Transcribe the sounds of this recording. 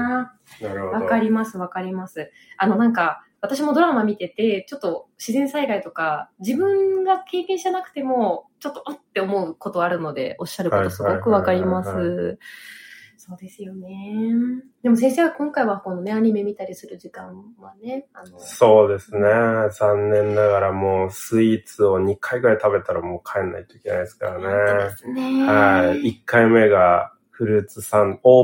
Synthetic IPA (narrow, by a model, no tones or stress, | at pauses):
nɾβakaɾʲimasɨβakaɾʲimasɨ | ano̞nãŋka | βat̪aɕ̬imo̞d̪o̞ɾamamʲit̪e̞t̪e̞t͡ɕo̞t̪ːo̞ɕizẽ̞ɰ̃saiɡait̪o̞kad͡ʑibɯ̟̃ŋɡake̞ːkẽɕianakɯ̟̥t̪e̞mo̞t͡ɕo̞t̪ːoʔot̪ːe̞o̞mo̞ɯ̟ko̞t̪o̞aɾɯ̟no̞d̪e̞̰ʔo̞ɕːaɾɯ̟ot̪o̞sɨɡo̞kɯ̟βakaɾʲimasɨ | so̞ːd̪esɨjo̞ne̞ | d̪e̞mo̞s̬ẽ̞ɰ̃seβakõ̞ŋkaiβako̞no̞ne̞aɲ̟ime̞mʲit̪aɾʲisɨɾɯ̟ʑikãβane̞anoso̞ːd̪e̞sɨne̞d͡zãnːẽ̞nːaɡaɾamo̞ːsɨit͡sɨo̞ɲ̟ikʰaiɡɯ̟ɾait̪abe̞t̪aɾamo̞ːkʰaenːa̰it̪o̞i̥ke̞najd̪esɨ̥kaɾanenehaiikːaime̞ɡa | ɸɯ̟ɾɯ̟t͡sɨsãnoː